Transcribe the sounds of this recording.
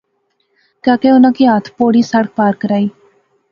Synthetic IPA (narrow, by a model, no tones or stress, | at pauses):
kaːkeʊnãːkiɦat̪ʰpoːɽiːsəɽək̚paːɾkəɾaːiː